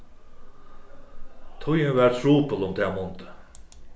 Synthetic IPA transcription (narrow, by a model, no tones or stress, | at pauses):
t̪ʰʊjəʋæːɾt̪ʰɾuːpəlʊmt̪ʰɛːmʊnt̪ə̥